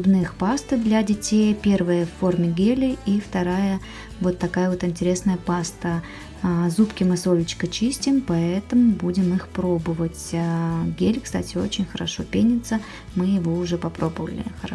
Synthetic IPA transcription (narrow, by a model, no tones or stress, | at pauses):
bnɨxpast̪ɨd̪lʲɐdʲɪtʲejpʲe̞rvəjəfːo̞rmʲɪɡʲelʲɪift̪ɐɾajə | vo̞t̪ːɐkajəvo̞t̪ɪnʲtʲɪɾʲe̞snəjəpast̪ə | zupkʲɪmɨso̞lʲɪt͡ɕkət͡ɕisʲtʲɪmpɐɛt̪əmʊbudʲɪmɨxpɾo̞bɨvətʲɡʲelʲkst̪a̰tʲɪo̞̰t͡ɕɪnʲxəɾɐʂo̞pʲenʲɪt̪sə | mɨjɪvo̞ʊʐɛpɐpɾo̞bəvəlʲɪ̰xə